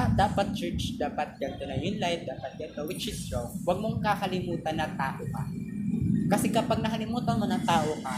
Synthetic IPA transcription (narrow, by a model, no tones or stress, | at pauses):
d̪aːpɐt̪̚t͡ʃɛ˞t͡ʃd̪aːpɐt̪̚ɡɐnt̪onɐjʊnlajt̪̚d̪aːpɐt̪̚kakɐwɪt͡ʃɪst̪ɾowwɐɡ̚moŋkakɐlɪmuːt̪ɐnːɐt̪aːʔokɐ̰ | kɐsɛkɐpaɡ̚nɐkɐlɪmuːt̪ɐnmonɐŋt̪aːʔokɐ